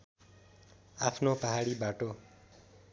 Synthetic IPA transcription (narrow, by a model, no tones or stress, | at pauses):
apʰnopʌɦaɽibaʈo